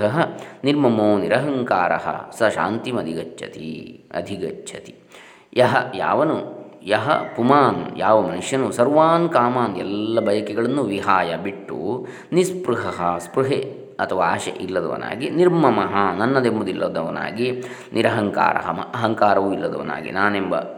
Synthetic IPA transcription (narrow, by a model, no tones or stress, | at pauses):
ɐɦɐniɾmɐmoːniɾɐɦɐŋkaːɾɐ̰ɦɐ̰sɐʃa̰ːnt̪imɐd̪ʱiɡɐt͡ʃt͡ʃʰɐt̪ḭɐ̰d̪ʱiɡɐt͡ʃːt͡ʃʰɐt̪i̥ | jɐɦɐja̰ːʋɐnujɐɦɐ̰pumaːnjaːʋɐmɐnuʂjɐnusɐɾʋaːnkaːmaːnɛlːɐbɐjɐkɛɡɐɭɐnːuʋiɦaːjɐbiʈːṵ | nispɾuɦɐɦɐspɾuɦe | ɐt̪ʰɐʋaaːʃḛʔilːɐd̪ɐ̰ʋɐ̰na̰ːɡiniɾmɐmɐɦɐnɐnːɐd̪embud̪ilːɐd̪ɐʋɐna̰ːɡi | nʔiɾɐɦɐŋka̰ːɾɐ̰ɦɐmɐ̰ʔɐɦɐŋkaːɾɐʋuːilːɐd̪ɐʋɐna̰ːɡḭnaːnembɐ̰